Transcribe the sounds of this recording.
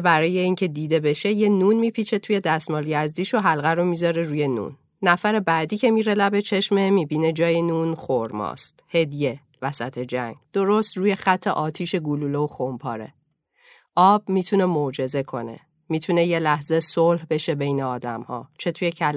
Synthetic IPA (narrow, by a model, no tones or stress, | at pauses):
bæɾɒːje̞iːŋcʰe̞d̪iːd̪e̞be̞ʃe̞je̞nuːnmiːpʰiːt͡ʃʰe̞t̪ʰuje̞d̪æst̪mɒːljæzd̪iːʃoɦælɣæɾomiːzɒːɾeɾuːje̞nṵːnː | æfæɾe̞bæːd̪iːcʰe̞miːɾe̞læbet͡ʃʰe̞ʃme̞miːbiːne̞d͡ʒɒːjenuːnxoɾmɒ̰ːst̪he̞d̪ije̞ | væsæt̪ʰe̞d͡ʒæ̰ŋɡd̪̥o̞ɾo̞st̪ruːje̞xæt̪ʰːe̞ʔɒːt̪ʰiːʃe̞ɡululeoxompʰɒːɾe̞̰ | ʔɒːb̥̚miːt̪ʰune̞mod͡ʒe̞ze̞kʰo̞̰nḛ | miːt̪ʰune̞je̞læhze̞solhbe̞ʃe̞be̞jneɒːd̪æ̰mhɒ̰ːt͡ʃʰe̞t̪ʰuːjecʰæl